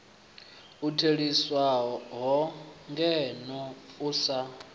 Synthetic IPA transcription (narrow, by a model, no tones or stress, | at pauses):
utʰeɺiswaɦɔɦɔŋɡɛnɔusa